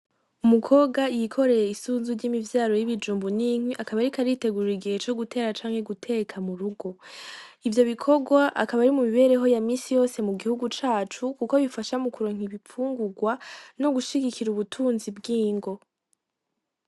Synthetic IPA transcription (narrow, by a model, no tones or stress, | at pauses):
umukʰo̞ːɡajikʰo̞ɾe̞jeisuːnzuɾɟiːmivjaːɾo̞jiβid͡ʒuːmbuniŋ̥wiʔakaβaɾikaɾite̞ɡuɾiɡihe̞t͡ʃo̞ɡutʰe̞ːɾat͡ʃaːŋ̥he̞ɡutʰekʰamuɾuɡo̞ivjo̞βikʰo̞ɡwaʔakaβaɾimumiβe̞ːɾe̞ɦo̞jamiːsijo̞se̞muɡihuɡut͡ʃaːt͡ʃukuko̞βifaʃamukuɾoːŋ̥hiβip͡fuːŋɡuɡwano̞ɡuʃiɡikʰiɾuβutʰuːnzibɡiːŋɡo̞